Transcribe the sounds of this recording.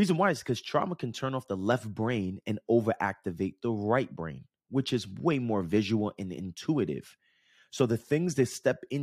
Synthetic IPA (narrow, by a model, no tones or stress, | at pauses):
izɨ̃nwaɪz̥kʰʌz̥tʰɹ̥ɑ̰məkʰɨ̃n̩tʰɜ̃˞nɔfðəlɛft̚b̥ɹẽɪ̃nɨ̃noʊvə˞ʔæ̰k̚tɨveɪt̪̚ðəɹaɪt̚b̥ɹḛ̃ɪ̃n | wɨt͡ʃɨzweɪmɔɹvɪʒəwl̩ˠɨ̃nɪ̰̃ntʰuɨɾɪ̰v̥ | soʊðɨθɪ̃ŋzðɨɪstɛpɪ̃n